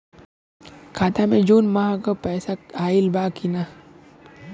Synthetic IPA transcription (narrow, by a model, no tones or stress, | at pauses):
kʰaːt̪ʰamẽd͡ʒuːnmaɦãkopɛːsaaːilbaːkʰina